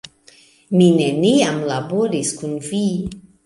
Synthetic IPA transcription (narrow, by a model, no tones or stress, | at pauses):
mine̞niamlaboɾiskunvi